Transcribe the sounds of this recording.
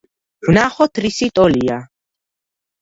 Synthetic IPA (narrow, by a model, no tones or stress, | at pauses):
vnaχɔt̪ʰɾisit̪ʼɔlia